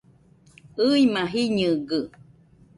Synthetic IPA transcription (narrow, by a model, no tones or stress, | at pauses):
ɯjmaɦiɲɨɡɨ